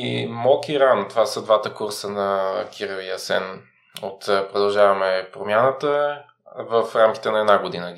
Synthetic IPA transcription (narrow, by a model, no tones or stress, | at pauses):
imɔkiɾant̪ovasəd̪vat̪əkuɾsənɐkʰʲiɾɐvijəsɛ̰n | ot̪ːpɾod̪ɐlˠʒavɐmɛpɾomʲjanət̪ə | vəfɾamki̥t̪ɛnɐɛd̪naɡod̪inəɡ